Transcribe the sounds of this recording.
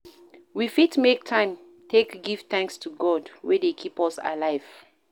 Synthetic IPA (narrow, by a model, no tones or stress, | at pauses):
wifitmek̚tʰãɪ̃m | tʰekɡivθæ̃ŋkstʰuɡɔdwɛdekʰipɔsa̰laɪv̥